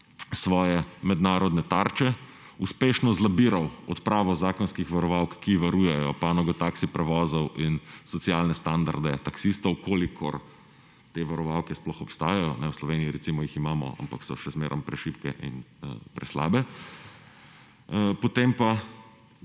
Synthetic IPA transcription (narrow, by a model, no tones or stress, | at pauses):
sʋɔːjɛmɛd̪naːɾɔd̪nɛt̪aɾt͡ʃɛ | uspeːʃnɔzlabiːɾawɔ̰t̪pɾaːʋɔzaːkɔnskixʋaɾɔʋawkkːiʋaɾuːjɛjɔpanɔɡɔt̪aksipɾɛʋɔːzɔwʔinsɔt̪sjaːlnɛst̪and̪a̰ɾd̪ɛt̪aksist̪ɔwkoːlikʰɔ̰ɾ | t̪eːʋaɾɔʋawkɛsplɔxɔpst̪aːjajɔnɛwslɔʋeːniːɾɛsimɔjiximaːmɔ̰a̰mpaksɔʃɛzmeːɾʔɔmpɾɛʃiːpkɛ̰ʔḭnpɾɛsla̰ːbɛ | pɔt̪empa